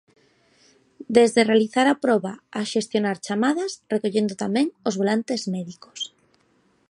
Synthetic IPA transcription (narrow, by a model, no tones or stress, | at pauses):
d̪ezðerealiθaɾapɾɔβaaʃest̪jonaɾt͡ʃamaðasrekoʎend̪ot̪amɛ̃ŋozβolant̪ezmɛðiko̥s